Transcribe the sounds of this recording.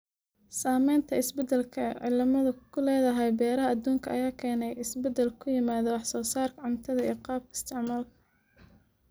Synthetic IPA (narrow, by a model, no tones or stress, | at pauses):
saːmɛjnt̪ʰɐɪsbɛd̪ɛlkʰɐʕḭːlmɐðɐkʰʊlɛːðɐɦɛjbɛːɾɐɦɐɐd̪uːŋkʰɐʔɐjaːkʰɛːnɛjɪsbɛd̪ɛlkʰʊjɪmaːðɐwɑħsɔːsaːrkʰɐʕʊnt̪ʰɐðɐḭːqɑːb̚kʰɐɪst̪ʰɪʕmaːlkʰɐ̥